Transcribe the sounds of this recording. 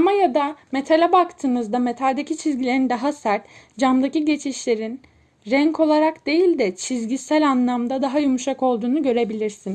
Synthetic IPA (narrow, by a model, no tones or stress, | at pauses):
majad̪ame̞t̪ʰalʲɛbakt̪ʰɯːmɯzd̪ame̞t̪ʰalʲd̪e̞cʰit͡ʃʰizɟilʲe̞ɾind̪aɦasæɾt̪ | d͡ʒamd̪aciɟe̞t͡ʃʰiʃlʲe̞ɾin | ɾæɲko̞lˠaɾakd̪e̞jilʲd̪ɛt͡ʃʰizɟisælʲanlˠamd̪ad̪aɦajumuʃako̞lˠd̪uːnuɟø̞ɾe̞bilʲiɾsin